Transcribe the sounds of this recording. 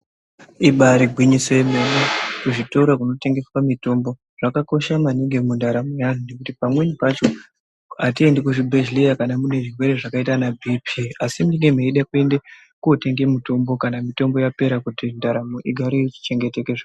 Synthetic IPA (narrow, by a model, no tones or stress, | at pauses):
iɓaɾiɡʱwiɲisemenekuʐitauɾakuno̞te̞ŋɡe̞swamito̞mbo̞ | ʐ̥akako̞ʃamaniŋɡe̞mundaɾamojanune̞kutipamwe̞nipat͡ʃo̞ | atiendekuʐibʱeʒliakanamune̞ʐirwe̞ɾe̞ʐakaitanabʱipʰiasimdinem̤eiɗakue̞nde | kuote̞ŋɡe̞muto̞mbo̞kanamito̞mbo̞jape̞ɾakutindaɾamuʔiɡʱaɾojit͡ʃi̥t͡ʃe̞ŋɡe̞te̞keʐa